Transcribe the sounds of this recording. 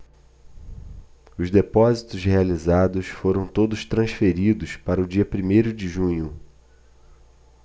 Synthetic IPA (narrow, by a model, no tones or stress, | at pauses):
ʊzd̪epɔzit̪ʊshealizad̪ʊsfoɾɐ̃w̃t̪od̪ʊʃt̪ɾɐ̃sfeɾid̪ʊspaɾɐʊd͡ʒiɐpɾimejɾʊd͡ʒɪʒũɲʊ